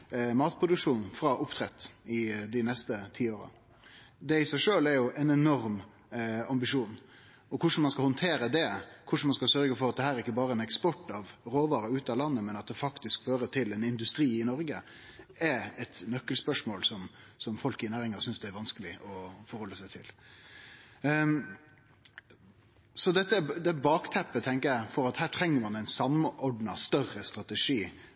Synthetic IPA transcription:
mɑːt̪̚pʰɾʊd̪ʉkʂuːnfɾɑʔʊpt̪ʰɾɛt̪ːɪd̪ɪnɛst̪ət̪ʰiːoːɾɑ̰ | d̪ɛɪsæɪʂøːlæɾjʊʔɛnɛnɔɾm | ɑmbɪʂuːn | ɔkʰʊʂn̩mɑnskɑhɔnt̪ʰeːɾəd̪ɛkʰʊʂɳ̩n̩mɑnskɑlsœɾɡəfɔɾɑt̪̚d̪ɛhæːɾɛɾɪkːəbɑːɾəɛnɛkspɔʈːɑʋɾoːʋɑːɾɑʉːt̪ɑlɑnːəmɛnɑt̪̚d̪ɛfɑkt̪ɪskføːɾət̪ʰɪlɛnɪnd̪ʉst̪ɾiːɪnɔɾɡə | ɛɛt̪nœkːəlspœʂmoːlsɔm | sɔmfɔlkɪnæːɾɪŋɑsʏnsd̪ɛæɾʋɑnskəlɪʔɔfɔɾhɔlːəsæɪt̪ʰɪ̰l | sɔd̪ɛt̪ːəd̪ɛbɑːkt̪ʰɛpːət̪ʰɛŋkəjæɪfɔɾɑt̪hæːʈʰɾɛŋːəɾmɑnæɪnsɑmːɔɖnɑst̪œɾəst̪ɾɑt̪əʂiː

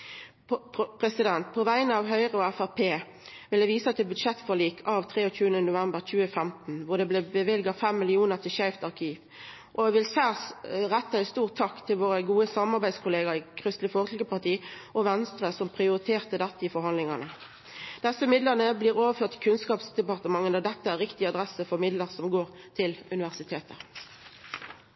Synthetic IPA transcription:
pʰʁɛsɪd̪ɛnt̪̚pʰɔʋæɪənəɑʋɦœʏʁəɔæfæʁpʰeː | ʋɪləʋiːsət̪ʰɪlbʉd̪ʃɛt̪fɔliːkʰɑʋt̪ʰʁeːɔt͡ʃʉːənənʊʋæmbəʁt͡ʃʉːəfɛmt̪n̩ʋʊd̪ɛblɛbəʋɪlɡɑfɛmːɪlɪuːnəʁt̪ʰɪlʃæɪft̪ɑʁkʰiːʋ | ʔɔʋɪlsæsʁɛt̪ːəɪst̪uːʁt̪ʰːɑkt̪ʰɪlʋoːʁəɡuːəsɑmɑʁbæɪskʰʊleːɡəɾɪkʰʁʏst̪lɪfɔːʁt̪ʰlɡəpɑʁt̪ʰiːʔɔʋɛnst̪ʁəsɔmpʰʁɪʊɾɪt̪ʰeːʁt̪əd̪ɛt̪ːəifɔɾhɑnlɪŋənə | d̪̥ɛsəmɪd̪ləʁnəbliːʁoːʋəføːʁt̪ɪkʰʉnskɑːpsd̪ɛpɑʁt̪əmɑŋːənd̪ɑd̪ɛt̪ːəæʁɪkt̪ɪɑd̪ʁɛsəfɔʁmɪd̪ləʁsɔmɡoːʁ | t̪ʰɪlʉnɪʋæʁsɪt̪ʰeːt̪ʰə

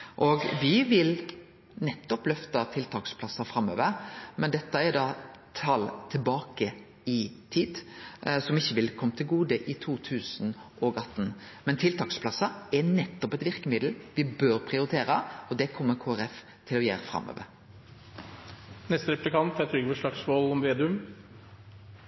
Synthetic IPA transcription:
ʔɔɡʋɪʋɪl | nɛt̪ːɔplœft̪ɑt̪ʰɪlt̪ʰɑːkspʰlɑsɑfɾɑmːø̰ːʋəɾmɛnd̪ɛt̪ːəɛd̪ɑːt̪ʰɑlt̪ʰɪlbɑːkə | ɪt̪ʰiːd̪sɔmɪçːəʋɪlkʰɔmːt̪ʰɪlɡuːd̪əʔɪt̪ʰuːt̪ʰʉːsnʔɔɡɑt̪n | mɛnt̪ʰɪlt̪ʰɑːkspʰlɑsɑɛnɛt̪ːɔpɛt̪ʋɪɾkəmɪd̪l̩ʋɪbøːɾpʰʁɪʊɾɪt̪ʰeːɾəɔd̪ɛkʰɔmːəɾkʰoːæɾɛf | t̪ʰɪlɔjḛːɾəfɾɑ̰mːø̰ːʋə̰ɾ | nɛst̪əɾɛplɪkʰɑnt̪̚pʰeɛt̪ɾyːɡbəʂlɑksmoːlɔmʋeːd̪ʉm

